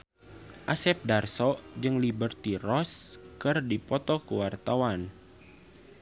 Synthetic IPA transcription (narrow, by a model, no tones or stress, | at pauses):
ʔasɛp̚darsɔd͡ʒɨŋlibərt̪irɔskɨrdipɔt̪ɔkuwart̪awan